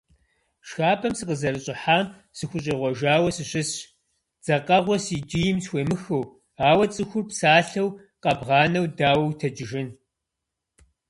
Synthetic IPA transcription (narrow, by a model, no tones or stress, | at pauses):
ʃxaːbʰɐmsɨqəzɐɾɨɕʼɪħaːm | sɨxʷʊɕʼɐʁʷɔʒaːwɐsɨɕɪs | d͡z̥ɐqɐʁʷɔsid͡ʒijɪmsxʷeːmɨxɐw | aːwɐt͡sʼɨxʷʊrpsaːɬɐw | qɐbʁɑːnɐwdaːwɐwtʰɐd͡ʒɪʒɪn